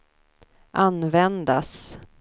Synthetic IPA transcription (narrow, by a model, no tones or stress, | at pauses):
ʔanvɛnd̪a̰s